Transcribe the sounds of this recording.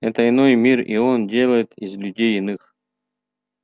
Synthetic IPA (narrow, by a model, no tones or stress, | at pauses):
ɛt̪əɪnojmʲirḭondʲe̞lˠəjɪt̪izlʲʉdʲejɪnɨx